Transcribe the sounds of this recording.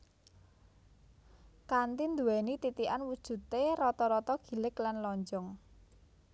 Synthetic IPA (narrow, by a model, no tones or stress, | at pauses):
kant̪ind̪uwɛnit̪it̪ianwud̥ʒ̥ṳt̪eɾɔt̪ɔɾɔt̪ɔɡ̥i̤lɪklanlɔɲd͡ʒɔŋ